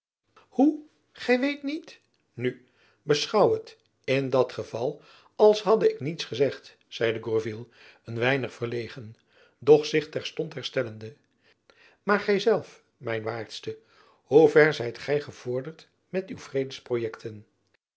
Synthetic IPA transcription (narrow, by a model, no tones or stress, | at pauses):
hu | χɛjʋejtnit | ny | bəsχɑwət | ɪndɑtχəv̥ɑlˠ | ɑlˠsɦɑdəɪknitsχəzɛχt | z̥ɛjdəɡɔɹvilˠ | ənʋɛjnəχfərlejχən | dɔχsɪχtɛɹstɔntɦɛɹstɛləndə | maːɹχɛjzɛlˠf | mɛjnʋaːɹtstə | huvɛɹzɛjtχɛjχəv̥ʊːɹdəɹt | mɛtywvrejdəsprojɛktʰən